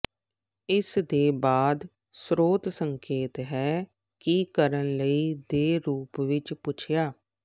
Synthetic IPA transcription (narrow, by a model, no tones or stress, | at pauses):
ɪsd̪eːbaːd̪ | sɾoːt̪səŋkeːt̪ɦɛː | kikəɾənləiːd̪eːɾuːpʋɪt͡ʃpʊt͡ʃʰɪjaː